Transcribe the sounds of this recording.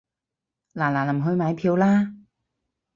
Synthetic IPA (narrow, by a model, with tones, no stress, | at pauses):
laː˨˩laː˨˩lɐ˨˩mɦɵ˧ɥmaː˨˧jpʰiː˧wlaː˥